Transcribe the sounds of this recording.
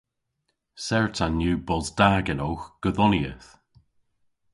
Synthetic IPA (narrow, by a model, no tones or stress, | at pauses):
sɛɹtʰanjʉːbɔzdaːɡənowxɡ̥əðɔniəθ